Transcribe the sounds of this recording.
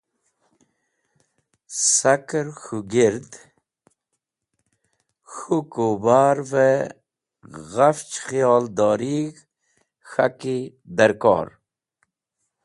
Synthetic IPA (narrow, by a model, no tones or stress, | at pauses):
sakɾxuɡiɾd̪ | xukubaːɾve | ɣaft͡ʃxijɑːld̪ɔːɾiɡ | xaki | d̪aɾkɔ̰ːɾ